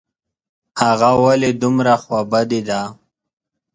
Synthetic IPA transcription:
haɣawaled̪ʊmɾaxwabad̪id̪a

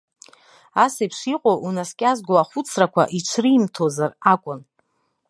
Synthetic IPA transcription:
asapʰʂiqʼoʔunaskʲʼazɡʷlaχʷʊt͡sʰrakʷʰa̰ʔiʈ͡ʂʰriːmtʰozarakʷʼʊn

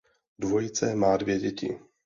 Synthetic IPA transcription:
dvo̞jɪt͡sɛmaːdvjɛɟɛcɪ̰

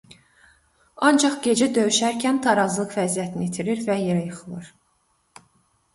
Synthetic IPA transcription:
ɑnd͡ʒɑχɟe̞d͡ʒæd̪ø̞jyʃæɾcʰænt̪ʰɑɾɑzlˠɯχvæzijæt̪ʰiniit̪ʰiɾiɾvæje̞ɾæjɯχɯlˠɯɾ̥

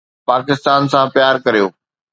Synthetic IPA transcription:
paːkɪst̪aːnsãpjaːɾkɐɾijoː

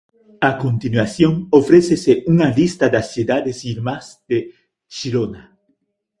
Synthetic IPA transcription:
akont̪inwasjoŋofɾeseseuŋalist̪ad̪asjud̪aðesiɾmazd̪̥e | ʃiɾona

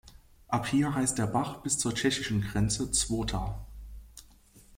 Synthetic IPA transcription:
ʔaphiːɐɦaɪst̚d̥eːɐbaχb̥ɪst͡suːɐt͡ʃɛçɪʃn̩ɡʁɛnt͡sət͡sv̥oːtʰaː

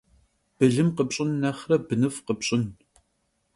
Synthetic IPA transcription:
b̥ɨɮɨmqəpɕʼɪnːɐχrɐbɨnɨfqəpɕʼɪn

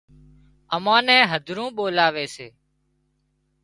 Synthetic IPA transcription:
əmãːnɛ̃ːɦəd̪ʱɾũːɓoːlaːʋeːseː

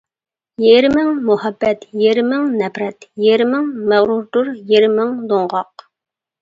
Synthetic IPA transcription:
jeɾɪmɪŋmuhɛbːɛt̪jeɾɪmɪŋnɛpɾɛt̪jeɾɪmɪŋmæʁɾuɾd̪uɾjeɾɪmɪŋd̪oɴʁɑq̚

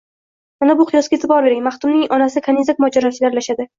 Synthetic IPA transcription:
manabʊqʰɨjɒsɡʲaet̪ʰɪbɒɾbe̞ɾɪŋmaχt̪ʊmnɪŋʔɒnasɪkʰanizakʲmɒd͡ʒaɾɒt͡ʃʰɪlaɾlaʃad̪ɪ

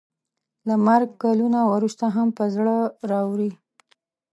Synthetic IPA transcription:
lamaɾɡkɑlunawɾust̪aɦampəzɽəɾɑwɾi

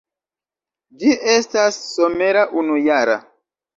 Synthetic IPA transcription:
d͡ʒiʔe̞stasːo̞me̞ɾaʔunujaɾa̰

